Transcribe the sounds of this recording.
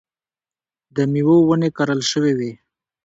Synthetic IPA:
d̪əmiwowənekaɾəlʃəwewe

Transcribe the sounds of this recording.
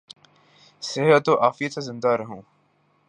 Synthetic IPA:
sɪɦət̪ːoːʔaːfijət̪sezɪ̃nd̪aɾɐɦũː

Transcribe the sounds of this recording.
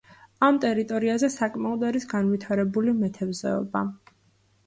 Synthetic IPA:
amt̪ʼɛɾit̪ʼɔɾiazɛsakʼmaɔd̪aɾisɡanvit̪ʰaɾɛbulimɛt̪ʰɛvzɛ̰ɔ̰ba

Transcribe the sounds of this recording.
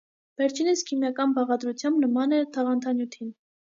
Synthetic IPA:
vɛɾt͡ʃʰiniskʰimjɑkɑnbɑʁɑd̪ɾut͡sʰjɑmbnəmɑnɛt̪ʰɑʁɑnt̪ʰɑnjut̪ʰin

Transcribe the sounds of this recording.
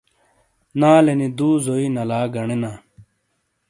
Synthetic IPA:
naːlenid̪uːzoinɐlaːɡɐɳenaː

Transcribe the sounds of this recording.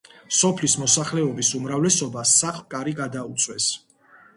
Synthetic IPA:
sɔpʰlismɔsaχlɛɔbisumɾavlɛsɔbasaχlˠkʼaɾiɡad̪aut̪sʰʼwɛs

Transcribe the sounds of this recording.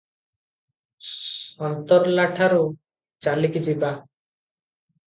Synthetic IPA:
ɔnt̪ɔɾlaʈʰaɾu | t͡ʃalikid͡ʒiba

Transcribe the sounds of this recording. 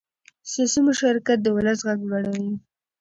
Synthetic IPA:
sɑsimʊʃaɾkat̪̚d̪əwʊlasɣaɡlwaɽawi

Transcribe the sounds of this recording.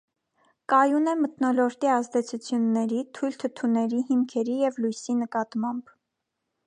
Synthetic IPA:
kɑjunɛmət̪nɔlɔɾt̪iɑzd̪ɛt͡sʰut͡sʰjunːɛɾit̪ʰujlt̪ʰət̪ʰunɛɾihimkʰɛɾijɛvlujsinəkɑt̪mɑmb̥

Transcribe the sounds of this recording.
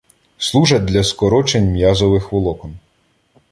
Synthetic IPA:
slˠuʒɐd̪lʲɐskɔɾɔt͡ʃenʲmjazɔʋɪxʋɔlˠɔkɔn

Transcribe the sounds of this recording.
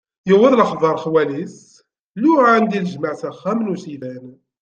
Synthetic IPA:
jəwəðˤləχðˤɑɾˤχwælis | luʁand̪ilʒməʕsæχːæmnusilæn

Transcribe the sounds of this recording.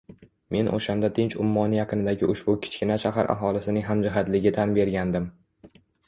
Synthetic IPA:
me̞nʔo̰ʃand̪at̪ʰɪnt͡ʃʊ̰mːɒnjɑqʰɨnɪd̪aɡʲɪʔʊʃbʊkʲʰɪ̥t͡ʃkʲɪnaʃaɦa̰ɾʔa̰ɦɒlɪsɪnɪŋɦamd͡ʒɪɦat̪lɪɡʲɪt̪ʰanbe̞ɾɡʲand̪ɪm

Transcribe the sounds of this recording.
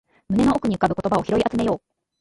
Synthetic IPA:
mɯ̟ne̞no̞okɯ̟ɲ̟iɯ̟kabɯ̟ko̞t̪o̞bao̞çiɾo̞iʔat͡sɨme̞jo̞ː

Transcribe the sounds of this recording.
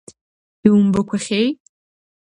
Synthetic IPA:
iwʊmbɐkʷʰɐχʲej

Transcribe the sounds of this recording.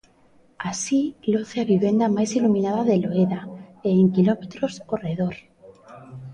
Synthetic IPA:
asiloθeaβiβend̪amajsilumĩnaðaðeloeðaeːŋkilomet̪ɾosoreðoɾ

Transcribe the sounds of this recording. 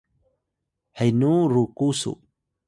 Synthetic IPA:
hajnuɾukusṵ

